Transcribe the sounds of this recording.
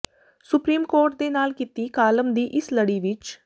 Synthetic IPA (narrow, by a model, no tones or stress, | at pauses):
sʊpɾiːmkoːɾʈ̚d̪eːnaːlkɪt̪iːkaːləmd̪iːʔɪsləɽiːʋɪt͡ʃ